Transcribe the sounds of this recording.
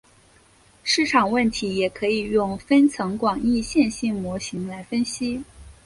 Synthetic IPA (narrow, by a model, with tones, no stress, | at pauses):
ʂɻ̩˥˩ʈ͡ʂʰɑ˨˩ŋwə˥˩nt̪ʰi˧˥jɛ˨˩kʰɤ˧˥i˨˩jʊ˥˩ŋfə˥nt͡sʰɤ˧˥ŋkwɑ˨˩ŋi˥˧ɕjɛ˥˧nɕi˥˩ŋmwɔ˧˥ɕi˧˥ŋla˧˥ɪfə˥nɕi˥